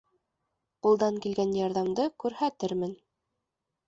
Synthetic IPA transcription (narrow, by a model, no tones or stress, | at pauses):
qulˠd̪ɑŋkilɡænjɑɾðɑmd̪ɤkʉɾhæt̪ɘɾmɘn